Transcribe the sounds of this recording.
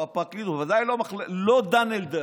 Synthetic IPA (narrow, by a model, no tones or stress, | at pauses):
apaklizuvazajlomaχllod̪aneld̪e